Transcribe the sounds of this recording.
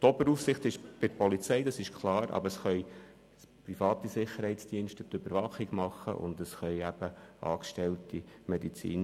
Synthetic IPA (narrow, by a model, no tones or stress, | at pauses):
t̪ɔbəɾuːfsɪχt̪ɪʃb̥ɪɾpɔlit͡sɛɪdɑsɪʃkʰlˠɑːɾɑ̰bəɾəsχœʏ | spɾifɑːtisɪχəɾhɛɪt͡sd̥iənʃtət̪øbəɾvɑχiɡmɑχːə̰ʔʊ̰nd̪əsχœʏæb̥əɑ̰ːkʃtɛltimɛdit͡sḭːn